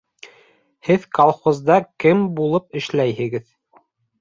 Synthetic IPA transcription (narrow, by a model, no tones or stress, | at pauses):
hɘðkɐlˠχozd̪ɑkɘmbulˠɤpɘ̆ʃlæjɦɘ̆ɡɘð